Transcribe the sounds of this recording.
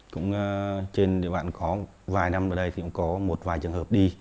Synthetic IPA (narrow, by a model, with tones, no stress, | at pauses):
kʊ̰˧˥ŋ͡mːt͡ɕe˧nɗḭ˧˨ɓa̰ː˧˨kɔ˨˦ | vaː˨˩jna˧mʔəː˧˩ɗə˧jtʰi˨ʔʊ̰˧˥ŋ͡mkɔ˨˦mo˨˩t̚vaː˨˩jt͡ɕɨ˨˩əŋhəː˨˩p̚ɗi˧